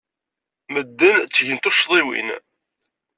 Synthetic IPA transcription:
məd̪ːənt͡sːʝənt̪uʃðˤiwḭn

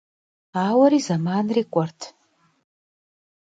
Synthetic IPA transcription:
aːwaɾizamanrikʷʼartʰ

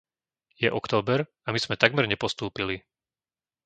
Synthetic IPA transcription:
jɛʔɔkt̪ɔːbɛɾ | amiz̥mɛt̪aɡmɛɾɲɛpɔst̪uːpili

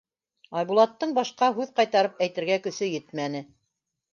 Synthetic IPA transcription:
ɑjbulˠɑt̪ːɤɴbɑʃqɑɦʉðqɑjt̪ɑɾɤpæjt̪ɘ̆ɾɡækɵ̆sɵjɘt̪mænɘ

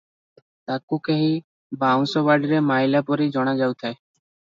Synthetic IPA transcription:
t̪akukeɦi | baw̃sɔbaɖiɾemajlapɔɾid͡ʒɔɽ̃ad͡ʒawt̪ʰae

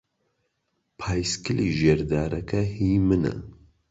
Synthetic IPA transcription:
pʰaːjskɨliːʒeɾd̪aːɾɐkʰɐhiːmɨnɐ̰

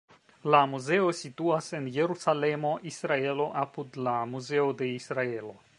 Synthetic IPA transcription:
lamuze̞o̞situase̞nje̞ɾusale̞moʔisɾae̞lo̞ʔapudlamuze̞ode̞isɾae̞lo̞

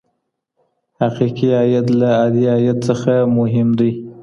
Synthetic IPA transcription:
haqiqiɑjat̪laɑd̪iɑjat̪səxamʊɦɪmd̪aj

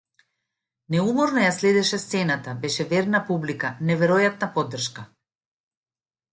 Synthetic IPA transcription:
nɛumɔɾnɔjaslɛd̪ɛʃɛst̪sɛnat̪abɛʃɛvɛɾnapublikanɛvɛɾɔjat̪̚napɔd̪ːr̩ʃka

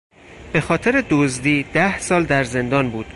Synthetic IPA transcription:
b̥e̞xɒːt̪ʰeɾed̪ozd̪iːd̪̥æhsɒːld̪æɾze̞nd̪ɒːnbuːd̪̥

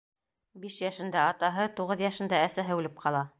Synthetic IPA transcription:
biʃjæʃɘ̆nd̪æɑt̪ɑɦɤt̪uʁɤðjæʃɘ̆nd̪ææsæɦɘʉlɘp̚qʰɑlˠɑ

